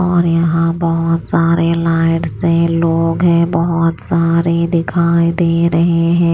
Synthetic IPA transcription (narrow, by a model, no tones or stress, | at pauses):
ɔːɾjɐɦãbɐɦʊt̪saːɾelaːɪʈsẽloːɡɦɛ̃bɐɦʊt̪saːɾed̪ɪkʰaːid̪eːɾɐɦeɦɛ̃ː